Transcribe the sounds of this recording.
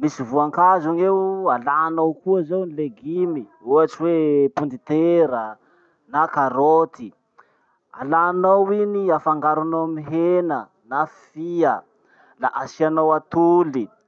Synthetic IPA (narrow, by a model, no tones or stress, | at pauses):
misivuaŋkazuŋewalaːnawkuazawnileɡimiuaʈ͡ʂiwepund̪it̪eɾə | nakaɾot̪i | a̰lanawiniafaŋɡaɾunomiɦenə | nafiə | la̰ʔasianawat̪uli